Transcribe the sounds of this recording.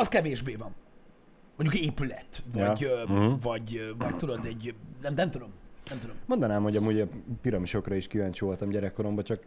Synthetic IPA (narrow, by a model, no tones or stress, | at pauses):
ɒskɛveːʒbeːvɒm | moɲɟukeːpylɛt̪vɒɟ̩vɒɟvɒɟ̚t̪ud̪od̪ɛɟnɛmnɛmt̪ud̪o̞mnɛmt̪ud̪ommo̞nd̪ɒnaːmho̞ɟɒmuːɟɒpiɾɒmiʃo̞krɒiʃkivaːɲt͡ʃivo̞lt̪ɒmɟɛɾɛkːo̞ɾo̞mbɒt͡ʃɒk